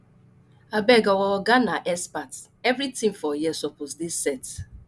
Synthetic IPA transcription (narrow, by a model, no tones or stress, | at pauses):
abɛɡɔwɔɡanaʔɛspat | ɛvɾitĩŋfɔjisɔposdisːɛt